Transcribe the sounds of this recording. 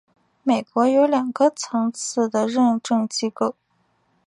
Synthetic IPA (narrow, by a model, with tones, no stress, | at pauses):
me˨˩ɪkwɔ˧˥jo˧˥ʊljɑ˨˩ŋɡə˦t͡sʰɤ˧˥ŋt͡sʰɹ̩˥˩d̪ə˩ɻə˥˧nʈ͡ʂɤ˥˧ŋt͡ɕi˥ko˥˩ʊ